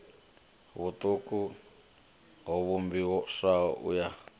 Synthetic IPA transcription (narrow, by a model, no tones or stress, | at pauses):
βut̪ʼuku | ɦɔβumbiwɔʂaɔʔṵja